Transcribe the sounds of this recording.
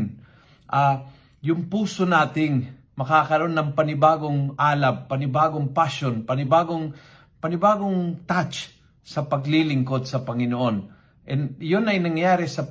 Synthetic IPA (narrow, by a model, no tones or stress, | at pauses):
n | ʔa | jʊŋpuːsonaːt̪ɪŋ | mɐkaːkɐɾʔo̞nːɐŋpɐnɪbaːɡoŋʔaːlab̚pɐnɪbaːɡoŋpaʃonpɐnɪbaːɡoŋ | pɐnɪbaːɡoŋt̪at͡ʃ | sɐpɐɡlilɪŋko̞d̪̚sɐpɐŋɪnoʔo̞n | ʔɛnjo̞nɐjnɐŋjaːɾɛsɐ